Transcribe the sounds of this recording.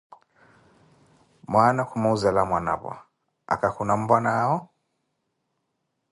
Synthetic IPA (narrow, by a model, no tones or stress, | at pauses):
mwanakʰumauzalamwana̰βa̰ | a̰kakunam̩banaːɔ